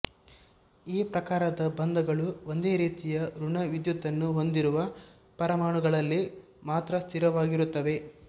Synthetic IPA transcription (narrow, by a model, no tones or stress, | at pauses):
iːpɾɐkaːɾɐd̪ɐbɐnd̪ɐɡɐɭuo̞nd̪e̞ːɾiːt̪ijɐɾuɳɐʋid̪jut̪ːɐnːuɦo̞nd̪iɾuʋɐ | pɐɾɐmaːɳuɡɐɭɐlːi | maːt̪ɾɐst̪ʰiɾɐʋaːɡiɾut̪ːɐʋe̞